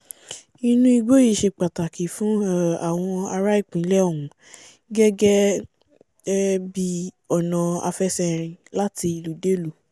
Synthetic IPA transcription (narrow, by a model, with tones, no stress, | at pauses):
ĩ˧nũ˦i˧ɡo˦ji˦˨ʃe˧k͡pa˨ta˨ki˨fũ˦a˨w̃ɔ̃˧a˧ɾa˦i˦˨k͡pĩ˨˦lɛ˦o˦˨ũ˨˦ | ɡɛ˦ɡɛ˦ | bi˦ | ɔ˨nã˨a̰˧fɛ˦sɛ˧ɾ̃ĩ˧la˦ti˧i˧lu˨de˦lu˨